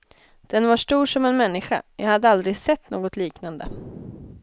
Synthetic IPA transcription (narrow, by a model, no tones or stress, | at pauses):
d̪̥ɛnvaʂʈuːʂɔmɛnmɛnːɪɧa̰jɑ̰ːhad̪ːəald̪ɾɪɡsɛt̪ːnoːɡɔt̪liːknand̪ə